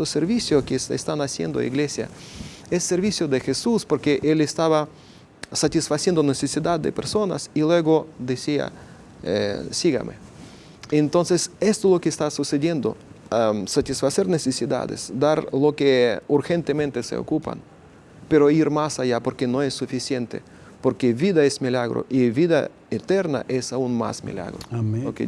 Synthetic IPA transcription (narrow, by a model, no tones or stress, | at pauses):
oseɾβisjokesḛst̪anasjḛnd̪oḭɡlesja̰esːeɾβisjoðexesuspoɾkeʔelest̪aβa | sat̪isfasjend̪onesesiðad̪d̪ḛpeɾsona̰silweɣod̪esia̰ | ḛsiɣa̰mḛ | ent̪onsesest̪olokeːst̪asuseðje̞nd̪o̰asat̪isfaseɾnesesiða̰ðḛsd̪aɾlokeuɾxent̪emẽnt̪esḛo̰kupa̰n | peɾoiɾmasajapoɾkenoesːufisjent̪ḛ | poɾkeβiðaesmilaɣɾo̰ʔiβiða̰ | et̪eɾna̰ʔesaunma̰smḭla̰ɣɾo̰loke